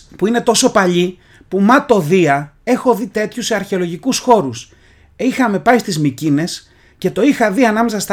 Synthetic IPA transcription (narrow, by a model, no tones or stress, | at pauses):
puine̞t̪o̞so̞pɐʎi | pumɐt̪o̞ðiɐ | e̞xo̞ðit̪e̞t̪çuse̞ɐɾçe̞o̞lo̞ʝikusxo̞ɾus | ixɐme̞pɐist̪izmicine̞s | ce̞t̪o̞ixɐðiɐnɐme̞sɐst̪